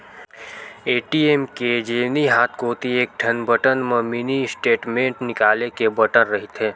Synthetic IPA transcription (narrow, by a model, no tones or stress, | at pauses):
eːʈiːeːmked͡ʒeːniɦaːt̪ʰkoːt̪ieːk̚ʈʰənbʱəʈənmeminisʈeːʈmẽːɳʈnɪkaːlekebəʈənɾəɦit̪ɦeː